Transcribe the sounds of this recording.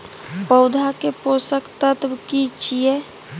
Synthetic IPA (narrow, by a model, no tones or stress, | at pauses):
pəʊd̪ʱakeposəkt̪ət̪bkit͡ʃʰijɛ